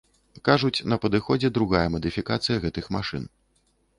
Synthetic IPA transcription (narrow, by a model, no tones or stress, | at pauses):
kaʐut͡sʲnɐpɐd̪ɨxɔd͡zʲɛd̪ɾuɣajɐmɐd̪ɨfʲikat̪sɨjɐɣɛt̪ɨxmaʂɨ̰n